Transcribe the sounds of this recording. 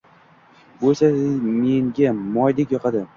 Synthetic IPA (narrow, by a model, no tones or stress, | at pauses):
bolsasɪmeŋɡʲamɒjd̪ekʲjɒqʰɑd̪ɪ